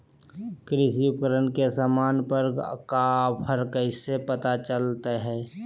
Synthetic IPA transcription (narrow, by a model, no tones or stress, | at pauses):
kɾɪsiukəɾənkesaːmaːnpəɾkapʰəɾkəɪsepət̪at͡ʃəlt̪eɦɛː